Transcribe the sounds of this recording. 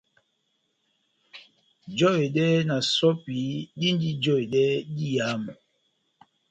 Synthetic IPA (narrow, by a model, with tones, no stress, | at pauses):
d͡ʒɔ˦e˨dɛ˦na˨sɔ˦pi˨˦ɗi˦n˦di˦d͡ʒɔ˦e˨ɗɛ˦di˦ja˨˦m˨